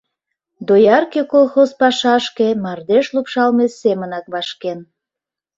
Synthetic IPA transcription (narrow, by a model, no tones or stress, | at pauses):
d̪ojɑrkekolˠxozpɑʃɑʃkemɑrd̪eʃlupʃɑlmesemənɑk̚βɑʃken